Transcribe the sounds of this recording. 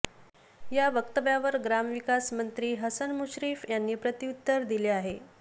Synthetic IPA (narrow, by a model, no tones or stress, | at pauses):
jaʋəkt̪əʋjaʋəɾɡɾamʋikasmənt̪ɾiːɦəsənmuɕɾiːfjanːiːpɾət̪iut̪ːəɾd̪ileaɦe